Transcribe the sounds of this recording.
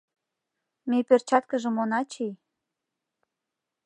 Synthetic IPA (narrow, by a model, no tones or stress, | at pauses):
mepørt͡ɕɑt̪kə̆ʒə̆monɑt͡ɕej